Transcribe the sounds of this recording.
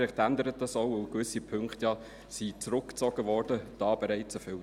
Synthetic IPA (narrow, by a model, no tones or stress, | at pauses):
ɪχt̪ænd̪əɾət̚dɑsoʊəʊkʋʏsipʰɵŋkχt̪jɑ | sit͡sɾʊkːt͡sɔɡ̥əʋɔːrdəd̥ɑːb̥ɛɾɛɪt͡səfʏ